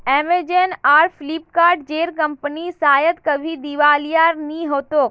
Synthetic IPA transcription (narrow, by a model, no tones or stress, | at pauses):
ɛːmed͡ʒenaːɾpʰɪlip̚kaːɾɖd͡ʒeːɾkɐ̃mpənisaːjət̪kɐbʱid̪iʋaːlijaːɾniɦoːt̪oːk